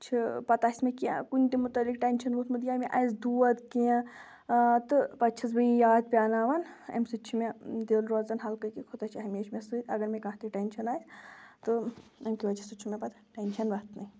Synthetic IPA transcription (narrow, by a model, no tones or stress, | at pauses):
t͡ʃʰipɐt̪aːsʲmekiã̰kunʲt̪imut̪ɐlik̚ʈenʲʃɐnbut̪mud̪jaːmẽʔajsd̪uːɐd̪kiã | t̪ɨpɐt͡ʃʰɐsbɨjaːd̪̚pʲaːnaːʋɐnḛmsɨt͡ʃʰimed̪eːlɾozɐnɦɐlkɐkikʰot̪at͡ʃʰaɦɐmeːt͡ʃʰmesɨt̪ʲɐɡɐɾmẽkɐ̃ɦt̪ʰiʈenʲʃʰɐnaːjsʲt̪ɨemkiʋɐd͡ʒʰɐsɨt͡ʃʰumepɐt̪aʈenʃʰɐnbɐt̪nɐi